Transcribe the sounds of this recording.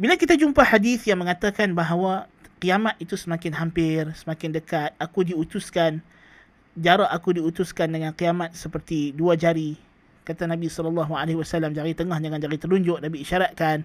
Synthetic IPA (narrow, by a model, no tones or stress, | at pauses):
bilakit̪ad͡ʒumpahadiθjaŋmə̃ŋat̪akanbaɦwaqiamat̪̚it̪usəmãkɪnɦampɪrsəmakɪndəkat̪̚akudiut̪uskan | d͡ʒaɾaakudiut̪ʊskandəŋanqiamat̪̚səpərt̪iduad͡ʒaɾi | kat̪anãbisɔlɔlːaɦualahwasalamd͡ʒaɾit̪əŋahd͡ʒaŋand͡ʒaɾit̪ərluɲd͡ʒʊʔ̚nabiiʃaɾat̪̚kan